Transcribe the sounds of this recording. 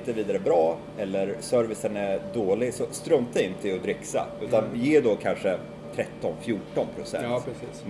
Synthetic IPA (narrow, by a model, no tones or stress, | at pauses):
t̪əviːd̪aɾəbɾɑː | ɛlːəɾsœɾvɪsənæd̪oːlɪɡsɔst̪ɾœmt̪̚ɛɪnt̪ʰɪlɔd̪ɾɪkːsa̰ʉ̟ːt̪anjeːd̪oːkʰanʂə | t̪ʰɾɛt̪ːɔnfjuːʈɔnpʰɾʊsɛ̰nsiːs